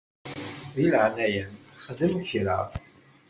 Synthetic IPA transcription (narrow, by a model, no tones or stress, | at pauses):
ðilʕnæjənχəðəmçɾa̰